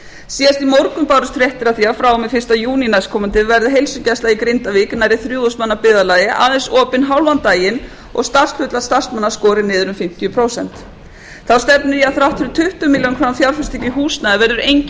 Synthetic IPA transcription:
siːðast̪imowɾkʏmpaɾʏst̪fɾjɛht̪ɪɾaθiːafɾawʏmɪfɪ̥st̪ajuːninajskʰɔmant̪ɪvɛɾðɪɦejlsʏcajst̪laikɾɪnt̪aviknajɾɪθɾjuːðɔsmanːapɪːðalaːjɪʔa̰ːðɛnsɔːpɪnɦawlvant̪aːjɪn | ɔ̰ɣst̪ar̥sk̪fʏt̪lḁst̪ar̥smanːaskɔːɾɪnɪːðʏɾʏmfɪm̥t̪jʏpʰɾowsɛ̰n̥t̪ | θawst̪ɛpnʏɾiaðθɾawht̪ʰɪɾʏt̪ʰʏht̪ʏmiːljownkʰɾawanfjawɾfɛst̪ʰɛcɪɦuːsnaðvɛɾðʏɾejɲc

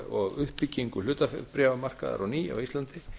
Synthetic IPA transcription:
ɔɣʏhpicːiŋkʏl̥ʏːt̪afpɾɛvamar̥ka̰ða̰ɾawniːja̰wist̪lant̪ɪ

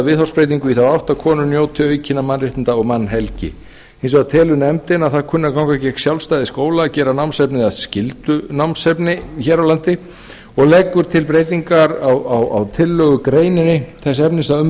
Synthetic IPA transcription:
vɪðhawspɾejt̪iŋkʏiθawawht̪aðkʰɔːnʏnjoːwt̪ʰɪœːɥcʰɪnamanrɪht̪ɪnt̪aɔɣmanːɦɛlcɪ̰ | ejns̬ɔɣat̪ʰɛːlʏnɛmt̪ɪnaðθaðkʰʏnːakawŋkacɛksjawlst̪ajðɪskoːwlaːcɛːɾanawmnsɛpnɪaðscɪlt̪ʏnawmnsɛpnɪçɛːɾawlant̪ɪ | ɔɣlɛːkːʏɾ̥t̪ʰɪlpɾeːjt̪iŋkaɾawawa̰wt̪ʰɪlːœɣʏkɾeːjnɪnːɪθɛs̬ɛpnɪsaʏm

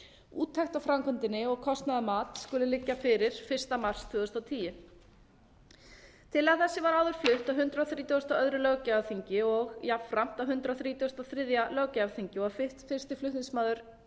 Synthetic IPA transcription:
ṵːt̪ʰːɛxt̪awfɾamkʰɔnt̪ɪnːɪɔɣkʰɔst̪naðamaːt̪skʏlʏlɪcːafɪɾɪɾ̥fɪr̥st̪amar̥st̪ʰvœːðʏst̪awt̪ʰiːjɪ | t̪ʰɪlθɛsːɪvaɾaːwðʏɾ̥flʏht̪awɦʏnt̪ɾawθɾiːt̪uʏst̪aœðɾʏlœɣcaaθiɲcɪɔɣjapfɾam̥t̪awɦʏnt̪ɾawθɾiːt̪ɔst̪aθɾɪðjalœɣcaavθiɲcɪɔafɪht̪fɪr̥st̪ɪflʏht̪nɪnsmaːðʏɾ̥

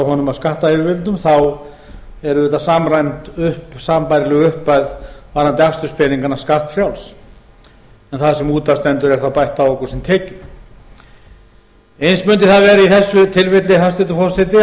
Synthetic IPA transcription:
aɦɔnʏmaðskaht̪aɛɾvɪlt̪ʏmθaw | ɛɾʏðɛt̪asaːmɾajnt̪ʏhpsaːmpajɾɪlɛɣʏʏhpːajðvaɾnant̪ɪakst̪ʏspɛniŋkanːaskaht̪fɾjawls | ɛnθaðsɛmuːt̪ast̪ɛnt̪ʏɾɛɾ̥θawpajht̪aokɔɾ̥sɪmt̪ʰɛːcʏ | ejnsmʏnt̪ɪθaðvɛːɾaiθɛsːʏt̪ʰɪlvɪt̪lɪɦanst̪ɪt̪ʏfɔ̥sɛt̪ɪ

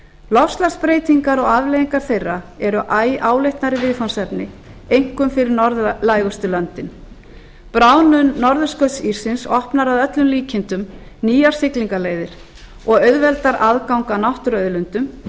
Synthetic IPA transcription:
lɔfst̪laspɾeːjt̪iŋkaɾɔɣavlejiŋkaɾ̥θejrːaɛɾʏʔaːjaːwlɪht̪naɾɪvɪðfɔnsɛpnɪ | ejŋ̥kʏmfɪɾɪɾnɔɾðlaːjɣʏst̪ʏlœnt̪ɪn | pɾaːwnʏnːɔɾðʏskœɥt̪siɾ̥sɪnsɔhpnaɾaðœt̪lʏmliːcʰɪnt̪ʏm | niːjaɾ̥sɪkliŋkaleːjðɪɾ̥ | ɔɣœɥðvɛlt̪aɾʔaðkawŋkanawht̪ʏɾœðlʏnt̪ʏm

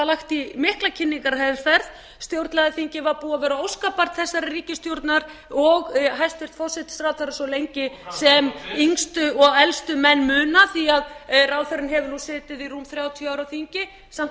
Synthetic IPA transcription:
alaxt̪imɪhklacʰɪnːiŋkaɾhaðɪɾ̥fɛɾð | st̪jowɾt̪laðaθiɲcɪvaɾpuːavɛːɾaowskapaɾ̥t̪θɛsːaɾɪriːcɪst̪jowɾt̪naɾɔɣɦajst̪fɪr̥t̪fɔsɛt̪st̪ɾaːwt̪θaɾasɔlejɲcɪsɛmiŋst̪ʏɔɣɛlst̪ʏmɛnːmʏːnaθiaðraːwθœɾɪnɦɛvɪɾnusɪːt̪ɪðiruːmθɾjaːwt̪ʰiœawɾawθiɲcɪ | sam

